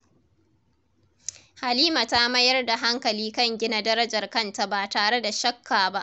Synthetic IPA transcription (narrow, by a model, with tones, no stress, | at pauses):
ha˨liː˦ma˨ta˦mɐ˦jɐ˦rda˨ɦa˦ŋkɐ˨liː˦kɐ˦˨ŋɡʲɪ˦na˨dɐ˦ɾɐ˦d͡ʒɐ˨rkɐ˦nta˦baː˨taː˨ɽe˦da˨ʃɐ˦kʰːaː˨ba˦ʔ